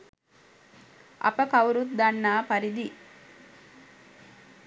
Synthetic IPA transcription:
ʔɐ̰pəkɐwɾut̪̚d̪ɐnːaːpɐɾid̪i

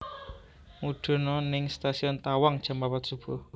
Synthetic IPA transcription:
mud̪̥ɔ̤nɔnɪŋst̪asiɔnt̪awaŋd̥ʒ̥a̤mapat̪̚sub̥ɔh

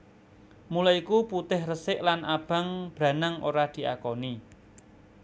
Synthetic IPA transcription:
mulaikuput̪ɪhrəsɪʔlanʔab̥ä̤ŋb̥ɾa̤nəŋʔo̰ɾad̪̥i̤ʔakɔni

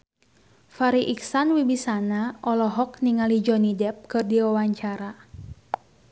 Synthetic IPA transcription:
faɾiʔiksanwibisanaʔɔlɔɦɔk̚niŋalid͡ʒɔnidɛp̚kɨrdiwawaɲt͡ʃaɾa

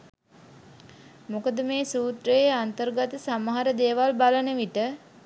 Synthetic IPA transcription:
mokəd̪əmeːsuːt̪rəjeant̪ərɡat̪əsaməɦaɾəd̪eːʋalbalənəʋiʈə

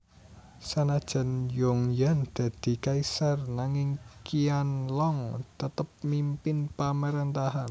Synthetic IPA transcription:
sanad̥ʒ̥a̤njoŋjand̪̥ä̤d̪̥i̤kaisarnaŋɪŋkianlɔŋt̪ət̪əp̚mimpɪnpamaɾənt̪aɦan

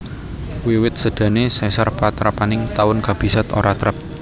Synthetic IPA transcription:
wiwɪt̪̚səɖ̥ä̤nesɛsərpat̪ɾapanɪŋt̪awʊnkab̥i̤sat̪o̰ɾʔat̪əɾəp̚

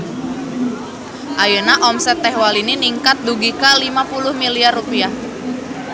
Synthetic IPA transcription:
ʔajənaʔɔmsɛt̪ːɛhwalininiŋkat̪̚duɡikalimapulʊhmiliarupiah

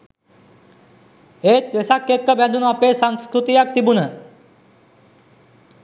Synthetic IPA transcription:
et̪esakːet̪̚kːəbɛnd̪ʱunapesaŋskɾut̪ijak̚t̪ibunə

